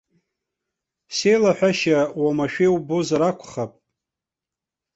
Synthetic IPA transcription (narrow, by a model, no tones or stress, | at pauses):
se̞jlaħʷᶣaʃawamaʃᶣewbozaɾakʷʰχapʼ